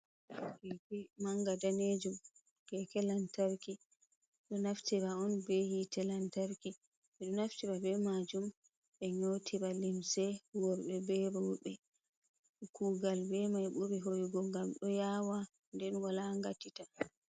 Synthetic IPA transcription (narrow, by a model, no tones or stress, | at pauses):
kɛkɛmaŋɡadaned͡ʒum | kɛkɛlantaɾki | ɗɔnaftiɾaɔnbɛhitɛlantaɾki | ɓɛɗɔnaftiɾabɛmad͡ʒum | ɓɛɲotʰiɾalimsɛwɔɾɓɛbɛɾɔɓɛ | kʰuɡalbɛmajɓuɾiɦojɡɔɡamɗɔjawa | ndɛnwalaŋɡatːita